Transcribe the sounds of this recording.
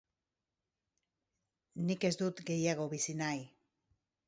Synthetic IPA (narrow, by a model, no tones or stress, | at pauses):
nike̞zd̪ut̪ɡe̞jaɣo̞βisinaj